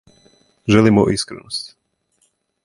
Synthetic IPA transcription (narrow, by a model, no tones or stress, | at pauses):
ʒɛlimuʔiskɾɛ̰nɔsc